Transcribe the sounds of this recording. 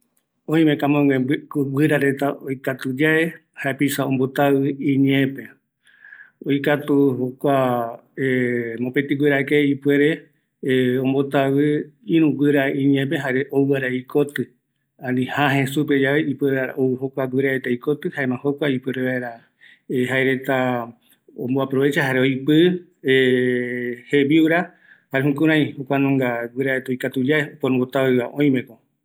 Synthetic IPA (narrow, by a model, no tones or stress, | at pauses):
õĩmẽkamõeɡʷɨɾaɾe̞t̪aojkat̪ud͡ʒae | haepisaõmbo̞t̪awɨĩɲẽpe̞ | ojkat̪uhokʷa | emõpet̪iɡʷweɾakeipwe̞ɾe̞ | õmbo̞t̪aβɨĩɾũɡʷɨɾaĩɲẽp̬eɦaɾeʔowɨaɾaikot̪ɨ | ãnĩhaɦẽ̞sup̬ed͡ʒaβeipweaɾa̰owɨhokʷaɡwɨɾaet̪ejkot̪ɨhaemãho̞kʷaipweɾeβaeɾa | eɦaeɾe̞t̪a | õmboapɾoβe̞t͡ʃaɦaɾeojpɨ | e | heβiuɾa | haɾeɦũkũɾ̃ãj̃hokʷanõŋɡaɡʷwɨɾaet̪ojkat̪ud͡ʒaepoɾõmbot̪aβɨβaʔõj̃mẽkõ